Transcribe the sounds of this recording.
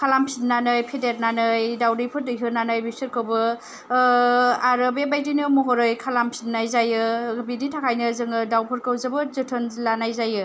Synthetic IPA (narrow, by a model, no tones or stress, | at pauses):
kʰalampʰitnanɯjpʰedeɾnanɯjdawdɯjpʰɯɾ̚dɯjɦɯɾnanɯjbisɯɾkʰɯwbɯ | aɾɯbebajdinɯmuɦɔɾɯjkʰalampʰitnajzajɯbiditʰakʰajnɯzɯŋɯdawpʰɯɾkɯwzɯbɯzɯtʰɯnlanajzajɯ